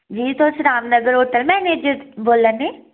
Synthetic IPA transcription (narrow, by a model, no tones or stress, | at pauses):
d͡ʒiːt̪osɾaːmnɐɡəɾɦoːʈəlmɛːneːd͡ʒəɾboːlːəne